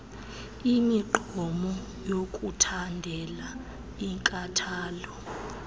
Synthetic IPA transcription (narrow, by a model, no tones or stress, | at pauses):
imiɡ͡ǃʱɔmɔ | jokʼutʰandʱɛla | iŋkʼatʰaːlɔ